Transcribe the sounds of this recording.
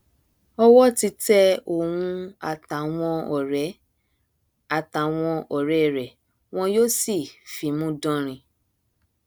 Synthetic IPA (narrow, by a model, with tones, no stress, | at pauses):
ɔ˦wɔ˦ti˧tɛ˦o˨wũ˧a̰˨ta˨w̃ɔ̃˧ɔ˨ɾɛ˨˦ | a˨ta˨w̃ɔ̃˧ɔ˨ɾɛ˨˦˨ɾɛ˨ | w̃ɔ̃˧joː˦si˦˨fi˨mũ˦dɔ̃˧ɾ̃ĩ˧